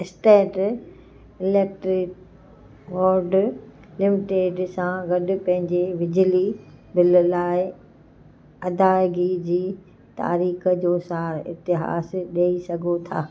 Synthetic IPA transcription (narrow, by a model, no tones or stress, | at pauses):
ɪsʈeːʈ | ɪleːk̚ʈɾɪk̚ | ʋoːɾɖ | lɪmɪʈeːɖsãɡɐɗʊ̆pɐ̃ɦɪ̃ɲd͡ʑeʋɪd͡ʑlibɪllaːɪ | ɐd̪aːɪɡid͡ʑiː | t̪a̰ːɾiːxə̆d͡ʑoːsaːɾɪ̰t̪ɪɦa̰ːsɗɐːisɐɡʱot̪ʰa̰ː